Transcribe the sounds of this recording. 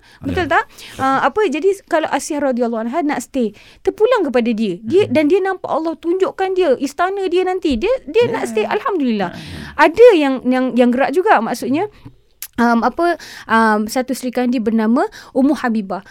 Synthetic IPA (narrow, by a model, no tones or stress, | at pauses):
bət̪ʊlt̪aəmapəd͡ʒadikalawʔasahrɔdialˠˤːanɦanaʔsə̥t̪e | t̪ərpulaŋkəpadadiədiədandiənãmpa̰ʔalːɔht̪uɲd͡ʒoʔkandiəʔist̪anə̃diənant̪idiədiənaʔsət̪ealhamdulilːahʔadəjaŋjaŋjaŋɡəɾaʔd͡ʒuɡaʔma̰ʔsuʔ̪ɲa | əmapəʔəmsat̪usəɾikandiəbərnamə̃ʔumʊhabibah